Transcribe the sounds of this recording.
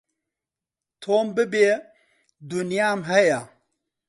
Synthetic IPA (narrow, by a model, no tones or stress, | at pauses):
t̪ʰoːmbɨbe | d̪unijamɦɐja